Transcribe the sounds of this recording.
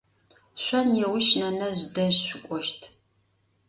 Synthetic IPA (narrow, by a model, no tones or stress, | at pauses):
ɕʷɔnjɛwʊʃnɐnɐʑdɐʒɕʷʊkʷʼɔʃtʰ